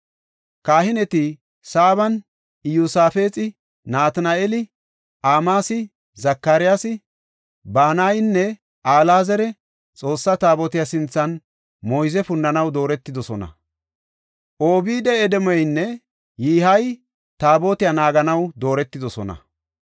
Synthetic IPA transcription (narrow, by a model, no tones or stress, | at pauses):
kaːhɪnɛt̪ɪ | saːbɐn | ɪjuːsaːfe̞ːt͡sʼɪ | naːt̪ɐnaelɪ | ʔaːmaːsɪ | zɐkːaːɾɪjasɪ | baːnajnːɛ | ʔaːlaːzɛɾɛ | t͡sʼo̞ːsːɐt̪aːbot̪ɪjasɪnt͡sːɐn | mɔjzɛfʊnːɐnɐwd̪o̞ːɾɛt̪ːɪd̪ɔsɔnɐ̰ | ʔoːbiːd̪ɛɛd̪ɛmɔjnːɛ | jiːɦɐj | t̪aːbo̞ːt̪ɪjɐnaːɡɐnɐwd̪o̞ːɾɛt̪ːɪd̪ɔsɔnɐ̰